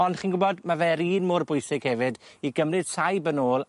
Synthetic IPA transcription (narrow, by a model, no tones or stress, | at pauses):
ɔnd̥χiːnɡʊbɔdmavɛɾiːnmʊrbʊjsɪɡ̥hɛvɪdiɡəmrɨd̥tʰajbənoːlˠ